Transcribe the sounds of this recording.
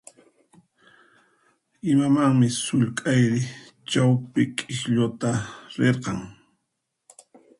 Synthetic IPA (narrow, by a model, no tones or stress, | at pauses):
ɪmamaŋmɪsʊʎkʼajɾɪ | t͡ʃawpɪkʼɪʃʎot̪aɾeɾqɑŋ